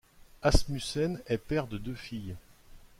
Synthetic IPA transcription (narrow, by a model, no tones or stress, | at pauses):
asmysɛnɛpɛʁd̪əd̪øfij